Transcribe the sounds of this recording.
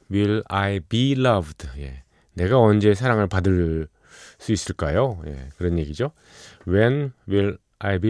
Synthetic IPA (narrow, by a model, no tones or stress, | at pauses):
wilaibilʌbdje̞̰ | ne̞ɡaʌnd͡ʑe̞s̬ʰaɾaŋɯɭpadɯɭ | s͈uis͈ɯɭk͈ajoje̞̰kɯɾʌnje̞ɡid͡ʑo | wenwil | ajbi